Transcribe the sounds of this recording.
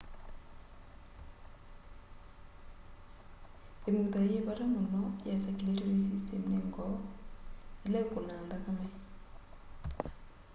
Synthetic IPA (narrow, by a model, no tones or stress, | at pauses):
emut̪ajibaɾamɔnɔjasakiletɔɾis̬istʰɛmnɛŋɡɔ | ilɛkʊnandakamɛ